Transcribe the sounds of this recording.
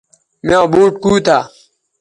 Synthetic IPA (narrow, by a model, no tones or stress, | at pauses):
meõbuːʈ̚kuːt̪ʰaː